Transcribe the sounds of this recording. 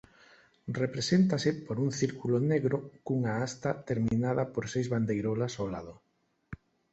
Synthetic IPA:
repɾesent̪asɪpoɾuŋθiɾkuloneɣɾokuŋaast̪at̪eɾminaðapoɾsejzβand̪ejɾolasowlað̞ʊ

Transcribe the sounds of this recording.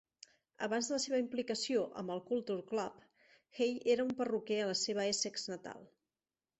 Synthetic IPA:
ə̰βanzðələseβəimplikəsioʔə̰mbəlˠkulˠt̪uɾklap | xejeɾəumpərukɛələseβ̞əesekznət̪a̰lˠ

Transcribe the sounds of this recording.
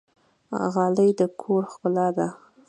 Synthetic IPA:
ɣɑləjd̪əkʰoɾxkʊlɑd̪a

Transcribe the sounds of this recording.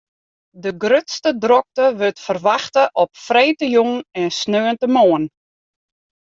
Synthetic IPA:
dəɡrøtstədrɔk̚təʋøtfərʋaxtəʔɔpfrejtəjuŋɛnsnøːəntəmoən

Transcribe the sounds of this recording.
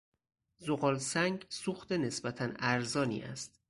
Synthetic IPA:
zoɣɒːlsæŋɡsuxt̪ene̞sbæt̪ʰænæɾzɒːnḭːʔæ̰st̪

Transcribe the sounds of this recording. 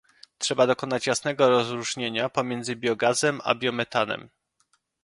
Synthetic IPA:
tʂɛbad̪ɔkɔnat͡ɕjasn̪ɛɡɔɾɔzɾuʐɲeɲapɔmʲjɛnd̪zɘbʲjɔɡazɛma̰bʲjɔmɛt̪anɛ̰m

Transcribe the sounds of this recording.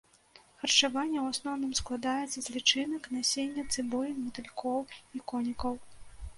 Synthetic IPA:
xɐrt͡ʂavanʲːɛwasnɔwnɨmsklˠad̪ajɛt̪sːɐzʲlʲit͡ʂɨnɐknasʲenʲːɐt̪sɨbɔjmut̪ɨlʲkɔwikɔnʲikɐw

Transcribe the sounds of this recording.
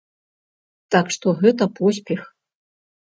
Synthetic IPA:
t̪akʂt̪oɣɛt̪ɐpos̬ʲpʲex

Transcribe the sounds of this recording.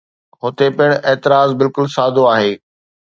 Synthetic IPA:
ɦʊt̪epɪɽ̃eːt̪ɪɾaːzbɪlkʊlsaːd̪ʱoaːɦeː

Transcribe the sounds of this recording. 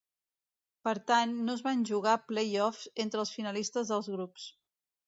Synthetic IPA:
pəɾt̪anːozβanʲʒuɣ̞aplejɔfsent̪ɾəːlˠsfinəlist̪əzðəlˠzɣɾups

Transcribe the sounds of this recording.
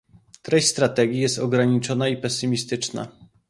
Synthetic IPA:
t̪ɾɛɕʲst̪ɾat̪ɛɡʲijɛst̪ɔɡɾaɲit͡ʂɔnaipɛsɘmʲist̪ɘt͡ʂna̰

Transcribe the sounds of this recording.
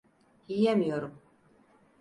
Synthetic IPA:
ijemijoɾum

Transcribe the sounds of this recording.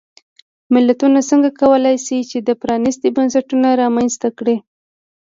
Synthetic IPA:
mɪlːat̪unasəŋɡakawəlajsit͡ʃed̪əpɾɑnɪst̪ibansaʈunaɾɑmanst̪akɽi

